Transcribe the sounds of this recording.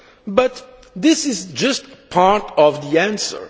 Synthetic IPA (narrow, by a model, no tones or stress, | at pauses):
bʌt̪ | ðɪsɪzd͡ʒʌstpʰaɹtɔvðiæ̃nsə̰˞